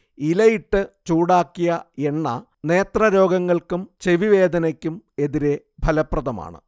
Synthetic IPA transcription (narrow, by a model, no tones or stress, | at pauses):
ilɐjiʈːɨt͡ɕuːɽaːkːijɐenːɐ̰ | ne̞ːt̪rɐɾo̞ːɡɐŋːɐɭkumt͡ɕeʋiʋe̞ːd̪ɐnɐkʲːume̞ðiɾe̞ | bʱɐlɐprɐðɐma̰ːɳɨ̰